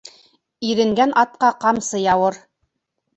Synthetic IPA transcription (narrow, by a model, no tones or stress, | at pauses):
iɾɘ̆ŋɡænʔɑt̪̚qɑqɑmsɤ̆jɑwɤɾ